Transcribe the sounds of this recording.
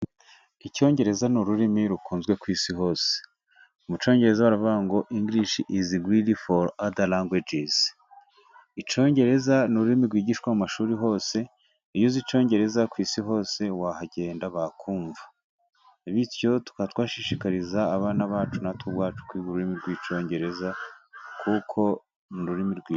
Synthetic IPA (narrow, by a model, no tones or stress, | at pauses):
ico̞ːɲɟe̞ɾe̞zanuɾuɾimiɾukuːnzɡwe̞kwiːsiɦo̞ːse̥ | umut͡ʃo̞ːɲɟe̞ɾe̞zawaɾaβaŋɡo̞ʔiŋɡɾiʃiʔiziɡɾilifoɾadalaŋɡwed͡ʒiz̥ | it͡ʃo̞ːɲɟe̞ɾe̞zanuɾuɾimiɾɡwiːɟiːʃkwamumaʃuːɾiɦo̞ːse̞ | ijuzit͡ʃo̞ːɲɟe̞ɾe̞zakwiːsiɦo̞ːse̞wahaɟe̞ːndaβakʰuːɱva | iβitjo̞tu̥katwaːʃiʃikaɾizaːβaːnaβaːt͡ʃunatʰuβwaːt͡ʃu̥kwiːɡuɾuɾimiɾɡwiːt͡ʃo̞ːɲɟe̞ɾe̞zakʰukʰo̞ | nuɾuɾimiɾɡwi